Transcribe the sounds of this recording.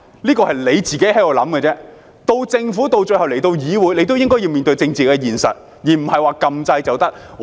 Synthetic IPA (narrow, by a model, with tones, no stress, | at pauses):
liː˥kɔː˧hɐ˨˩jle˨˧jt͡siː˨ke˨˥jhɐ˨˥jɔː˨˧lɐ˨˥mkɛ˧t͡sɛː˥ | t̪o˧wt͡sɪ˧ŋfuː˨˥t̪o˧wt͡ʃɵ˧jhwle˨˩jt̪o˧wjiː˨˧˥wuː˨˧jle˨˧jt̪o˥wjɪ˥ŋkɔː˥ji˧wmiː˨nt̪ɵ˧ɥt͡sɪ˧ŋt͡siː˨kɛ˧jiː˨˩nsɐ̰˨t̚ | jiː˨˩m̩˨˩hɐ˨jwaː˨kɐ˧mt͡sɐ˧jt͡sɐ˨wt̪ɐ˥k̚